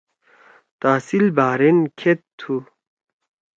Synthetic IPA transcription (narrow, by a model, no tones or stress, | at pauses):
t̪aːsilbaːɾenkʰet̪ʰːu